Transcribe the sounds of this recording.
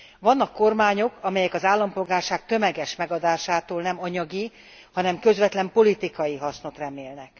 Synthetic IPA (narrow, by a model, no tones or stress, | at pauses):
ʋɒnːɒkːo̞rmaːɲo̞kɒmɛjɛkɒzaːlːɒmpo̞lɡaːrʃaːk̚t̪ø̞mɛɡɛʃmɛɡɒd̪aːʃaːt̪oːlnɛmɒɲɒɡi | hɒnɛmkø̞zʋɛt̪lɛmpo̞lit̪ikɒjiɦɒsno̞t̪rɛmeːlnɛk